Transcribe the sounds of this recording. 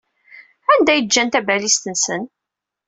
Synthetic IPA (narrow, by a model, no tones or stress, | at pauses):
ænd̪æjəd͡ʒːænt̪æbælist̪ənsən